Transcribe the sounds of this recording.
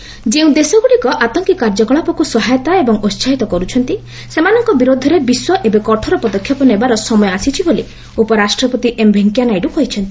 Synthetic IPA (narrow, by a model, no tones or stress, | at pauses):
d͡ʒeũd̪esɔɡuɽikɔʔat̪ɔŋkikaɾd͡ʒɔkɔɭapɔkusɔɦajɔt̪aebɔŋost͡ʃʰaɦit̪ɔkɔɾut͡ʃʰɔnt̪i | semanɔŋkɔbiɾod̪ʱɔɾebiswɔʔebekɔʈʰɔɾɔpɔd̪ɔkʰjɔpɔnebaɾɔsɔmɔjɔasit͡ʃʰiboli | upɔɾasʈɾɔpɔt̪iʔembʱeŋkjanajɖuɦɔjt͡ʃʰɔnt̪i̥